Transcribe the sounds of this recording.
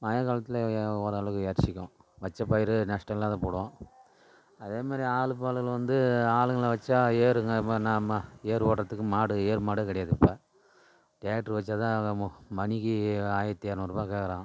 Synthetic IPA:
maːjɐkaːlɐt̪ːɯlɐoːɾɐɭɯɣɯeːɾt͡ʃɪkʲːʊ̃ | ʋɐt͡ʃːɐpːɐːjɪɾɯnɐʂʈɐlːaːðɐ̃poːɽɯʋõː | ɐðeːmaːd̪ɾiaːɭɯpːaːɭɯɣɐɭʋɐnd̪ɯaːɭɯŋɡɐɭʋɐt͡ʃːaːeːɾɯŋɡɐnaːmɐeːɾpoːʈɾɐt̪ːɯkːɯmaːɽɯeːɾmaːɽɯkɐɽɛjaːðɯkːɯpːaː | ʈɪjaːk̚ʈɐɾʋɐt͡ʃːat̪ãːmɐnɪkːiaːjɐt̪ːeːɾnɔɾɯbaːkeːkɐɾãː

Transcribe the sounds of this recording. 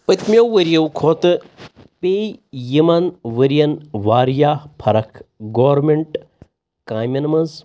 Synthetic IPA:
pɐt̪mʲjɐwʋɐɾjɐwkʰoːt̪ɨ | peːjimɐnʋɐɾijɐnʋaːɾjaːpʰɐɾɐkʰɡoːʋɾmeɳʈ | kaːjmʲɐnɐmɐz

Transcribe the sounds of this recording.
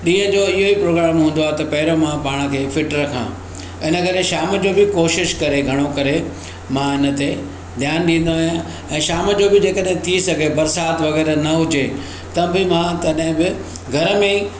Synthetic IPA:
ɗĩːɦə̃d͡ʑoɪɦoipɾoːɡɾaːmɦũːn̆d̪oaːɦet̪ɐpɐɦɪɾomãpaːɽ̃ə̆kʰeːfɪʈɾɐkʰã̰ː | ɪnə̆kɐɾeʃaːmə̆d͡ʑobɪkoːʃɪʃkɐɾeɡʱɐɽ̃okɐɾe | mãɪnə̆t̪e | d̪ʱjaːnɗĩːn̆d̪oaːɦijã | ɛ̃ːʃaːməd͡ʑobɪd͡ʑeːkəɗɦɪ̃t̪ʰisɐɡʱebɐɾsaːt̪ʋɐɣɛːɾnɐɦʊd͡ʑe | t̪ɐbɪmãt̪ɐɗɦɪ̃bɪ | ɡʱɐɾəmẽ

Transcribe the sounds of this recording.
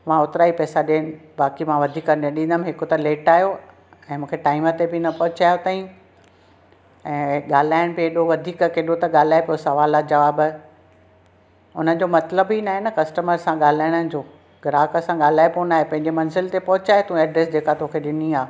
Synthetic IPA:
mãʊt̪ɾaːipɛːsaɗeːnɪ̆baːkimãʋɐd̪ʱiːkɐɾẽɗĩːnd̪əmɦɪkot̪ɐleːʈaːɦjo | ɛ̃ːmũːkʰeʈaːɪmət̪ebɪnɐpɐɦʊt͡ɕaːjot̪aːĩ | ɛ̃ːɠaːl̤aːɪɽ̃peːɗoʋɐd̪ʱiːkkeːɗot̪ɐɠaːl̤aːepijosɐʋaːlad͡ʑɐʋaːb | ʊn̤ənɪ̆d͡ʑomɐt̪ləbinaːɦenɐkɐsʈəməɾsãɠaːl̤aːɪɽ̃ənɪ̆d͡ʑoː | ɡɾaːkəsãɠaːl̤aːepoːnaːɦepɐ̃ɦɪ̃ɲd͡ʑemɐnzɪlt̪epɐɦʊt͡ɕaːɦet̪ũɛːɖɾeːsd͡ʑeːkat̪oːkʰeɗɪniaː

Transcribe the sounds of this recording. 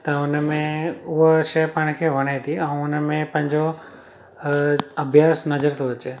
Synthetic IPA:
t̪ɐʊnmẽʊɦʃɐjpaɽ̃kʰeʋʱɐɽ̃et̪ʰiɛ̃ũʊnmẽpɐ̃ɦɪ̃ɲd͡ʑo | ɐbʱjaːsnɐd͡ʒəɾt̪ʰoɐt͡ʃe

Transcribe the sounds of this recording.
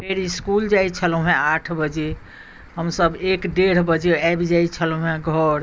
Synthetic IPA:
peɾiskuld͡ʒajt͡ʃʰəl̃ɦẽaʈʰbəd͡ʒe | ɦəmsəbekɖeɾ̤bəd͡ʒeajbid͡ʒait͡ʃʰəlũɦẽɡʱəɾ

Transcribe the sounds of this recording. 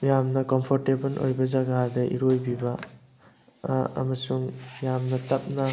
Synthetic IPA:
jamnɐkɔmpʰoɾtebɐlʔo̰jbɐzaɡadɐʔḭɾojbibɐ | ɐ̰mɐsuŋjamnɐtɐp̚nɐ

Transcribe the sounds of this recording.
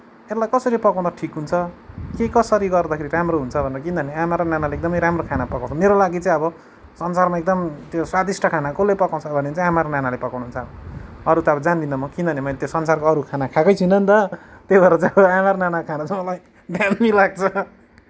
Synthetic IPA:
elajkʌsʌɾipʌkaw̃d̪ʌʈʰikɦunt͡sʰʌkekʌsʌɾiɡʌrd̪akʰeɾiramroɦunt͡sʰʌbʱʌnerʌkĩnd̪ʱʌneamaɾonanaleek̚d̪ʌmʌjɾamrokʰanapʌkaw̃t͡sʰʌmeɾolaɡit͡saĩʌbʌ | sʌnsarmaek̚d̪ʌmt̪joswad̪isʈʰʌkʰanakolepʌkaw̃t͡sʰʌbʱʌnet͡saĩamaɾonanalepʌkaw̃ñuɦunt͡sʰʌʌɾut̪ʌʌbʌd͡zand̪ind̪ʌmʌkind̪ʌnemʌlet̪josʌnsarkoʌɾukʰanakʰakʌjt͡sʰinʌnt̪ʌt̪ebaɾʌd͡zãamaɾonanakʰanat͡sʰãmʌlaj | d̪ʱjanmilaɡ̚t͡sʰʌ

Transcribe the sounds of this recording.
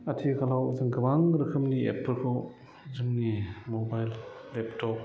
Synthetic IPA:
atʰikʰalawzɯŋɡɯbaŋɾɯkʰɯmniḛpʰːɯɾkʰɯ | zɯŋnimobajlːeptʰɔk̚

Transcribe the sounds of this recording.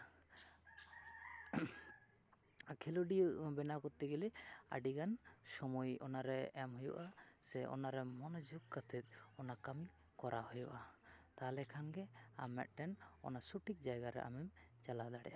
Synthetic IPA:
kʰiluɖijuʔbɛnakɔt̪ːiɡilia̰ɖiɡansɔmɔjɔ̰naɾɛɛmɦɔjṵʔasɛɔ̰naɾɛmɔnɔd͡ʒuɡkat̪ʰɛt̪̚ˀɔnakami | kɔɾʔahɔjṵʔat̪alɛkʰanɡɛamːɛ̰t̪̚ˀʈɛnɔ̰nasuʈik̚d͡ʒajɡaɾɛ̰ʔa̰mɛmt͡ʃalad̪aɽɛ̰ʔa

